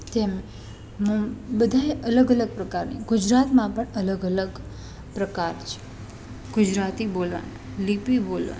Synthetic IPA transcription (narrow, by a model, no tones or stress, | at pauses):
t̪eme | mbəd̪ʱaeʔələɡələɡ̚pɾəkaɾnḭɡud͡ʒɾat̪mãpəɳələɡələɡ | pɾəkaɾt͡ʃʰe̥ | ɡ̥ud͡ʒɾat̪ibolʋa̰n | lipibolʋa̰n